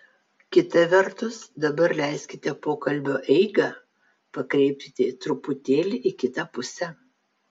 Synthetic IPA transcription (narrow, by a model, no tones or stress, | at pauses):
kʲɪt̪ɐʋʲɛɾt̪ʊsd̪ɐbɐɾlʲæˑɪsʲkʲɪt̪ʲɛpoːkɐlʲbʲoːʔɛɪɡɐˑ | pɐkɾʲɛɪpʲtʲɪt̪ʲɪt̪ɾʊpʊt̪ʲeːlʲɪʔɪkʲɪt̪ɐpʊsʲɛ